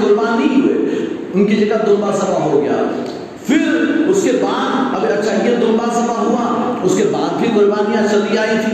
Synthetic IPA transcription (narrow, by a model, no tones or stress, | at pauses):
ɡʊɾbaːniɦʊḛː | ʊnkid͡ʒɐɡad̪ʊ̃mbasɐfaɦoɡɐja̰ː | fɪɾʊskebaːt̪ɐbɐtːʃʰaɦied̪ʊ̃mbasɐfaɦuaʊskebaːd̪bʱiɡʊɾbaːniasɐd̪iaːi